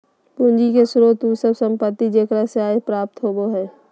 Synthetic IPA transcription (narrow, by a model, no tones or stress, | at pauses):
pʊ̃nd͡ʒikesʊɾot̪usəbsə̃mpət̪ːid͡ʒeːkɾaseaːepɾaːp̚t̪ɦoːboɦɛː